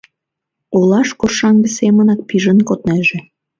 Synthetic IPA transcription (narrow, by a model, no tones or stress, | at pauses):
olɑʃkoʃɑŋɡə̆semə̆nɑk̚piʒə̆nkot̪næʒĕ